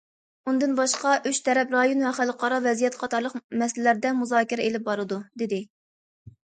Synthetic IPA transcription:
und̪ɨnbɑʃqɑʔyt͡ʃt̪ʰɛɾɛpɾɑjonvɛχælˠqɑɾɑvɛzijɛt̪qʰɑt̪ʰɑɾlˠəqmɛslɪlæɾd̪ɛmuzɑːkʲiɾɛelɪp̚bɑɾɨd̪ud̪ɪd̪ɪ

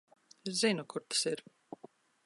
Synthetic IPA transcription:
iɾzinukuɾt̪ḁsiɾ

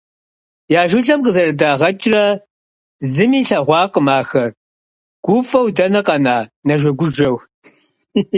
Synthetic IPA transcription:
jaːʒɪɮʼɐmqəzɐrɐdaːʁɐt͡ʃʼrɐ | zɨmiːɬɐʁʷɑːqəmaːxɐr | ɡ̥ʷʊfɐwdɐnɐqɐnaːnɐʒʷɐɡʷʊʒɐw

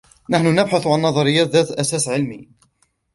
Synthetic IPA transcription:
naħnʊnəbħaθʕanːɑðˤɑɾɪjːæːt̪ðæt̪lʔæsæsʕɪlmi

